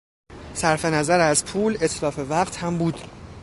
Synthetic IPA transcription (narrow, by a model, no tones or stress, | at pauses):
sæɾfe̞næzæɾæzpʰuːle̞t̪ʰlɒːfe̞væɢt̪hæmbuːd̪̥